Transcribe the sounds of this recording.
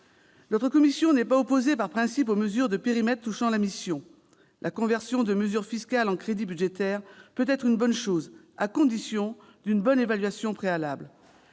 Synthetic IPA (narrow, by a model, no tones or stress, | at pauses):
nɔt̪χəkɔmisjɔ̃nɛpaopozepaʁpχɛ̃sipoməzyʁd̪əpeʁimɛt̪̚t̪uʃɑ̃lamisjɔ̃ | lʔakɔ̃vɛʁsjɔ̃d̪əməzyʁfiskʲalɑ̃kχed̪ibyd̪ʒet̪ɛʁpøt̪ɛt̪χynbɔnʃoz | akɔ̃d̪isjɔ̃ | d̪ynbɔnevalɥasjɔ̃pχealabl